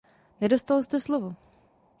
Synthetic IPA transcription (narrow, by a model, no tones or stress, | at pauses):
nɛdost̪alst̪ɛslovo